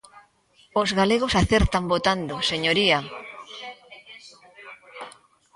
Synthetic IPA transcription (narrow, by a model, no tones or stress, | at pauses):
ozɣaleɣ̞osaθeɾt̪ambot̪and̪oseɲoɾia